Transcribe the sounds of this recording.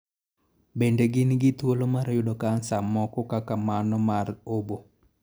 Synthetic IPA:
bendeɡɪnɡɪt̪wolomaɾajʊdɔkansamɔkɔkakamanɔmarobo

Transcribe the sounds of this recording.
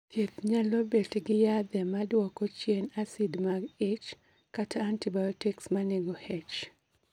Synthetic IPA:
tʰjet̪ɲalɔbetɡɪjad̪ɛmadwɔkot͡ʃjenasidmaɡet͡ʃ | katʰaːntibajɔtiksmanɛɡɔhɛt͡ʃ

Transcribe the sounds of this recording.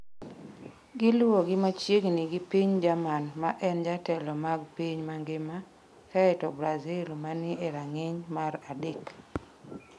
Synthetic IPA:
ɡɪlwoɡɪmat͡ʃjeɡnɪɡipiɲd͡ʒamanmaʔɛnd͡ʒatɛlɔmaɡpiɲmaŋɡɪma | kaɛtɔbɾazɪlmanɪeɾaŋɪɲmaɾadɪk

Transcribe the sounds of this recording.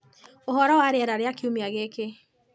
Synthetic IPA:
ohɔɾɔwaɾeɛɾaɾeakiumeaɣeke

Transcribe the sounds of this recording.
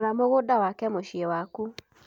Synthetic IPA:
ɾamoɣodawakɛmoɕiewaku

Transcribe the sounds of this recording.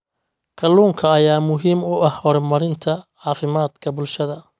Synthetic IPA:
kʰɐluːŋkʰɐːjaːmʊɦiːmʊɐhhɔɾmɐɾɪnt̪ʰɐʕɑːfɪmaːd̪kʰɐbʊlʃɐðɐ

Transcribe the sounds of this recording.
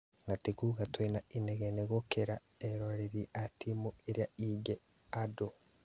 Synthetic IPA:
ŋatikuɡatwenaineɡeneɡokeɾa | eɾoɾeɾiatʰimoeɾjaiɡe | ado

